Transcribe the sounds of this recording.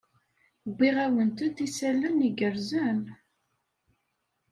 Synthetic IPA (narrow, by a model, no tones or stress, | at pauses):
bʷːiʁæwənt̪əd̪isælːəniɡəɾzən